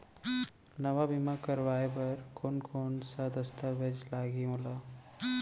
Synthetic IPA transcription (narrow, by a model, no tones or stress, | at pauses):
nəʋabimakəɾʋaːepɐɾkoːnkʰoːnsad̪əst̪aʋed͡ʒlaːɡiɦõla